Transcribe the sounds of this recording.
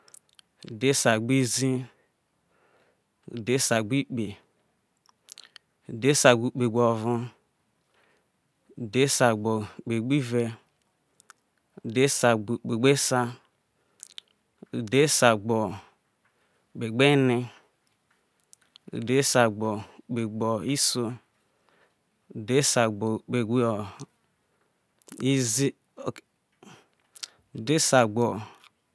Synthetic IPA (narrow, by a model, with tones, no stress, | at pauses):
u˨de˦sa˨ɡ͡bi˦zi˦ | ṵ˨de˦sa˨ɡ͡bi˦k͡pe˨ | de˦sa˨ɡu˦k͡pe˨ɡ͡bɔ˨vũ˦ | u˨de˦sa˨ɡ͡bɔ˨k͡pe˨ɡ͡bi˦vɛ˦ | u˨de˦sa˨k͡pe˨ɡ͡be˦sa˦ | u˨de˦sa˨ɡ͡bɔ˨ | ɡ͡be˨ɡ͡be˦ni˦ | ṵ˨de˦sa˨ɡ͡bɔ˨ɡ͡be˨ɡ͡bɔ˨i˦so˦ | u˨de˦sa˨ɡ͡bɡ͡be˨ɡ͡bo˨ | i˦zi˦ | o˨ | u˨de˦sa˨ɡ͡bɔ˨